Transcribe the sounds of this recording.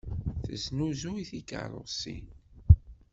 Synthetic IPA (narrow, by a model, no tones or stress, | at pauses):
θə̰znuzuiθikə̰ɾˤo̰sḭn